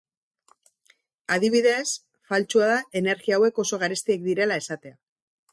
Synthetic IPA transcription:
að̞iβ̞iðe̞s | falt͡ʃuaðae̞ne̞ɾɣiaːwe̞ko̞so̞ɣ̞aɾest̪iek̚d̪iɾe̞lae̞sat̪e̞a

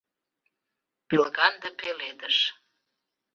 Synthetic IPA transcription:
pilɣɑnd̪ə̆peled̪əʃ

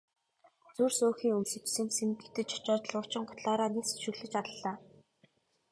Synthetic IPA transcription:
t͡sursoːxiːŋɵmsɵ̆t͡ɕ̪sɘ̆nsemkɘ̆t̪ɘ̆t͡ɕʰɔ̥t͡ɕɔːt̪ɞ̆ɮʊ̥t͡ɕɪ̆ŋɢʊ̥t̪ɮaːɾaːniːsɵ̥ʃɵ̆ɣɮɘ̆t͡ɕat̪ə̆ɮaː

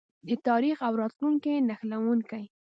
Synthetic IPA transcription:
d̪ət̪ɑɾixawɾɑt̪luŋkenaxlawuŋkaj

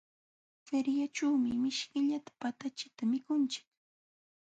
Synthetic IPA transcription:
feɾjat͡ʃuːmɪmɪʃkɪʎat̪ḁpat̪at͡ʃɪt̪amɪkʊnt͡ʃɪ̥k

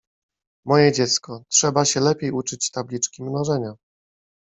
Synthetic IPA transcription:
mɔjɛd͡ʑɛt̪skɔtʂɛbaɕɛlɛpʲjejut͡ʂɘt͡ɕt̪ablʲit͡ʂkʲimnɔʐɛɲa

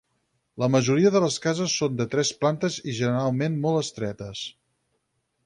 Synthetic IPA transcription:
ləməʒuɾiəðələskazəsːond̪ət̪ɾɛsplant̪əziʒənəɾalˠmenmɔlˠəst̪ɾɛt̪əs

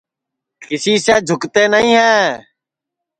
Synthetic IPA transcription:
kɪsiːseːd͡ʒʱʊkt̪eːnəɦĩːɦɛː

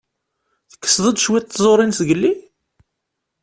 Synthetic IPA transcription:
θə̥kːə̥sðˤəd̪ʃwit̪ːzˤoɾˤinsɡəlːi

